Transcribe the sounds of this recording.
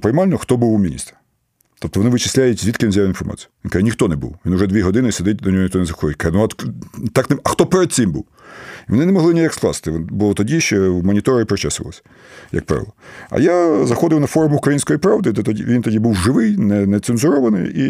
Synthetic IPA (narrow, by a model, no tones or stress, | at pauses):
pɪjmɑlʲnɔxt̪ɔbuwmʲinʲḭst̪ɐ̥ | t̪ɔp̚t̪ɔʋɔnɪʋɪt͡ʃɪ̥sʲlʲajʊtʲzʲʋit̪kɪnzʲajʊɪinfɔrmɑ̰t͡sʲijʊʋʲink̪ɛnʲixt̪ɔnɛbṵwʋinʊʒɛd̪ʋʲiɦɔd̪ɪnɪsed̪ɪt̚ʲd̪ɔnʲɔɦɔnʲixt̪ɔnɛzɐxɔd̪ɪtʲkɑnʊɐt̪t̪ɑknmɐxt̪ɔpɛɾɛd̪̚sɪmbṵw | iʋɔnɪnɛmɔɦlˠɪnʲijaksklˠɑ̰sɪ̥t̪ɪʋbʊlˠɔt̪ɔdʲiʃt͡ʃɔmɔnʲit̪ɔɾɪpɾɪt͡ʃɛsɪʋɐlˠɔ̰sʲɐ̥ | jɐ̰k̚pɾɑ̰ʋɪ̰lˠɐɐ̰jazɐxɔd̪ɪwnɐfɔrmʊʊkɾɐjinʲsʲkɔjipɾɑʋd̪ɪd̪ɛt̪ʲiʋʲint̪ɔdʲibuwʒɪʋɪjnɛnɛt̪senzʊɾɔʋɐnɪ̰ji